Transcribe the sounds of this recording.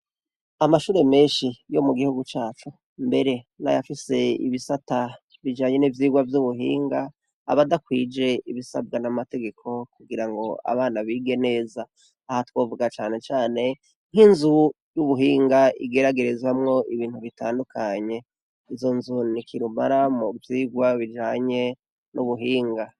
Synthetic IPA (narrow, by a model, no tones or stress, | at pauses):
amaʃuːɾe̞me̞ːnʃijo̞muɡihuɡut͡ʃaːt͡ʃu | mbe̞ɾe̞na̰ja̰fise̞ḭβisata | βid͡ʒaːɲe̞nivjiːɡwavjuβuɦḭːŋɡa̰ː | βadakwiːd͡ʒe̞iβisa̰b̚ɡanamate̞ɡe̞kʰo̞kuɡiɾaŋɡo̞a̰βaːnaβiːɡe̞ne̞ːzaː | hatwo̞ːvuɡat͡ʃaːne̞t͡ʃaːne̞ | n̥hinzu | juβuɦiːŋɡaḭɡe̞ɾaɡe̞ɾezwamŋo̞ʔiβiːntuβitaːndukʰaɲe̞ | izo̞nzunikʰiɾuma̰ɾamuvjiːɡwaβid͡ʒaːɲe̞ | nʔuβuɦiːŋɡa